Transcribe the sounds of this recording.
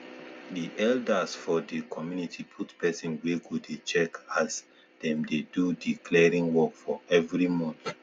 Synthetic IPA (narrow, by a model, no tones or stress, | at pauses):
diʔɛldəsfɔdəkʰɔmjunitʰipʰutpɛsɔ̃nweɡudet͡ʃɛkas | dɛ̃mdedudikʰlɛɹĩŋwɔkfɔɛvɹimɔ̃n